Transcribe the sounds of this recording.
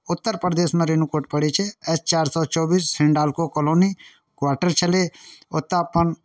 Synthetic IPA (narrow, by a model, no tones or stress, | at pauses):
ʊt̪ːəɾpɾəd̪eːsmẽɾenukoːʈ̚pəɽet͡ʃʰeɛst͡ʃaːɾsɔːt͡ʃɔːbiːssɪɳɖaːlkokɔloːni | kwaːʈəɾt͡ʃʰəleʊt̪ːəpən